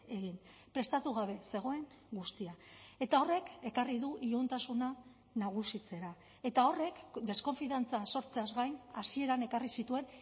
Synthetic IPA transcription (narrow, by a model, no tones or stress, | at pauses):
e̞ɣinpɾe̞st̪at̪uɣ̞aβ̞e̞se̞ɣ̞o̞e̞ŋ | ɡust̪iae̞t̪ao̞re̞ke̞kariðuʔiunt̪asuna | naɣ̞usit͡se̞ɾa | e̞t̪ao̞re̞kd̪e̞sko̞ɱfiðant͡saso̞ɾt͡se̞azɣajnasie̞ɾane̞karisit̪ue̞n